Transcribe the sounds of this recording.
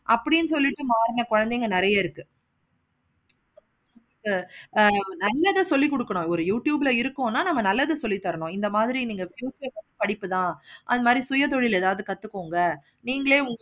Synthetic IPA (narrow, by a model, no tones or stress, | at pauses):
ʔɐpːɐɽɪnːɯsɔlːɪʈːɯmaːɾɪnɐkɔɻɐnd̪eːŋɡɐnɪɾɐjɐɪɾɯkːɯ | ʊŋɡɐkːɯ | nɐlːɐðɯsɔlːikɔɽɯkːɐɳʊ̃ɔɾɯjuːʈjuːbɪlɐɪɾɯkːõnːaːnɐmːɐnɐlːɐðɯsɔlːit̪ːɐɾɐɳʊ̃ɪnd̪ɐmaːðɪɾiniːŋɡɐʋɛjoːsjɐkɐɯpɐɽɪpːɯt̪ãːʔɐðɯmaːd̪ɾisʊjɐt̪̬ɔɻɪlɛðaːʋɐðɯkɐt̪ːɯkːoːŋɡɐ | niːŋɡɐɭeːʊŋɡ